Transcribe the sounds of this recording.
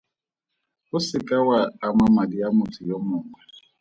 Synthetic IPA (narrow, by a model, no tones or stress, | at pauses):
ʊsɪkʼawaːmamadijamʊtʰʊjomʊːŋa